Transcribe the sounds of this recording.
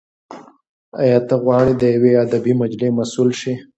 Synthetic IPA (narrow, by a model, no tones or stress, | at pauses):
ajɑt̪aɣwɑɽid̪əjawead̪abimad͡ʒlemasulʃi